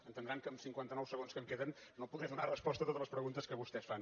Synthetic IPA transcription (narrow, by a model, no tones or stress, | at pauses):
ənt̪ənd̪ɾaŋkəːmsiŋkwant̪ənɔwsəɣonskəmkeðənnopuðɾɛðunarəspɔst̪ət̪ot̪ələspɾəɣunt̪əskəβust̪ɛsfan